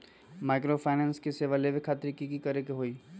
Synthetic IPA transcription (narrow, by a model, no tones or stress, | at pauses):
maːɪkɾopʰaːɪnɛ̃ːnskeseːʋaleʋekʰaːt̪ɾikikikɐɾekeɦoːiː